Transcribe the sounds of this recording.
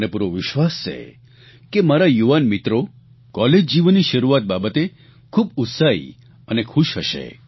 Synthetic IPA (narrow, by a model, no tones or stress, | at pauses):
nepuɾʋoʋɪʃʋast͡ʃʰḛ | kemaɾajuʋanmit̪ɾo | kɔled͡ʒd͡ʒiʋnːiʃəɾuat̪̚babət̪e | kʰubut̪saḭ | ənekʰuʃɦəʃḛ